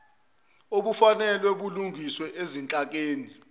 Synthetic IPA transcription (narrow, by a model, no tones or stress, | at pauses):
oɓufanɛlwɛɓuluŋʱiswɛʔezint͡ɬʼak̬ʼeːni